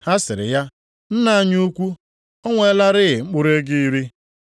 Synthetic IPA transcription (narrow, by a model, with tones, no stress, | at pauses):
ha˦sɪ˨ɾɪ̰˨ja˦ | n̩˦na˨a˦ɲu˦u˦kʷu˦ | ɔ˦ŋʷe˦la˦ɾɪ˦ɣɪ˨ŋ͡m̩˦k͡pʊ˦ɾe˦ɡɪ˦i˦ɾi˦